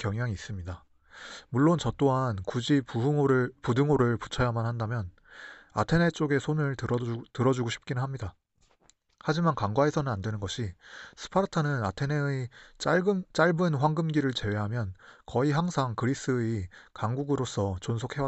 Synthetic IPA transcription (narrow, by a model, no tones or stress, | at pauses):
kjʌŋɦjaŋiːs͈ɯmɲida | muɭːont͡ɕʌt͈oɦankud͡ʑipuɾpudɯŋoɾɯɭpu̥t͡ɕʰʌjamanhandamjʌn | a̰tʰe̞ne̞t͡ɕ͈oɡe̞sʰonɯɭtɯɾʌd͡ʑuɡoɕʰi̥p̚k͈inɯnɦamɲida | had͡ʑimankaŋɡwae̞sʰʌnɯnandwe̞nɯnɡʌɕʰisʰɯ̥pʰaɾɯtʰʌnɯnatʰenet͡ɕt͡ɕ͈aɭbɯnɸwaŋɡɯmɡiɾɯɭt͡ɕe̞we̞ɦamjʌnkʌiɦaŋsʰaŋkɯɾis͈ɯikaŋɡuɡɯɾos͈ʰʌt͡ɕonsʰokʰe̞wa